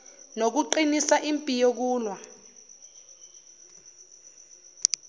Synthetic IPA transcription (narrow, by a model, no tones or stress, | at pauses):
nok̬uǃinisaʔimpʼijok̬uːlwa